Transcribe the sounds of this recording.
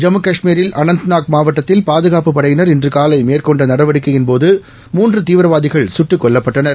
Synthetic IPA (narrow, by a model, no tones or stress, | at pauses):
d͡ʒɐmɯkɐʂmiːɾɪlʔɐnɐnt̪naːk̚maːʋɐʈːɐt̪ːɪlpaːðɯɣaːpɯpːɐɽɐjɪnɐɾɪndrɯkaːlɐɪmeːɾkɔɳɖɐnɐɽɐʋɐɽɯkːɯjɪnpoːðɯ | muːndrɯt̪iːʋɪɾɐʋaːðɪɣɐɭsʊʈːɯkːɔɭːɐpːɐʈːɐnɐɾ